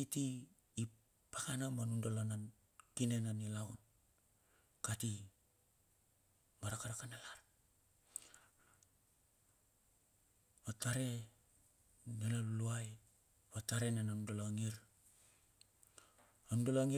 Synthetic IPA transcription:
itiː | pakanamanundolanan | kinenanilawn | kati | maɾakaɾakanalaɾ | βataɾe̞ | nelaluaj | βataɾenenanundolaŋiɾ | anundolaŋi

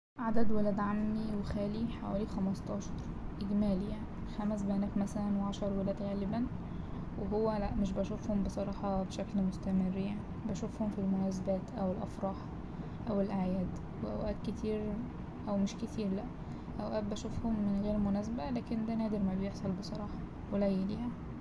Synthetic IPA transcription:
ʕad̪æd̪welæːd̪ʕamːiwexæːliħawæ̰ːlixæmɑst̪ˤɑːʃɑɾˤʔeɡmæːlijaʕnixæmæs̬bæʔnæːfmæsælænweʕaʃɑɾˤwelæːd̪ɣæːlɪbæn | weɦowːælæʔmeʃ̬bæʃofhombesˤɑɾˤɑːħɑbeʃæklmost̪æmerːjaʕnibæʃofhomfilmonæːs̬æbæːt̪ʔæwelʔɑfɾˤɑːħ | ʔæwelʔaʕjæːd̪ | weʔæ̰wʔæːd̪ket̪ʰiːɾ | ʔæwmeʃket̪ʰiːɾlæʔ | ʔæwʔæːb̚bæʃofhomːenɣiːlmonæːs̬bælæːkend̪ænæːd̪eɾmæbejeħsˤɑlbesˤɑɾˤɑːħɑ | welæjːæliːhæ

